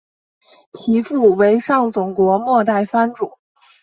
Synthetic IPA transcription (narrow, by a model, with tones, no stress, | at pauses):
t͡ɕʰi˧˥fu˥˩we˧˥ɪʂɑ˥˩ŋt͡sʊ˨˩ŋkwɔ˧˥mwɔ˥˧t̪a˥˩ɪfa˥nʈ͡ʂu˨˩˦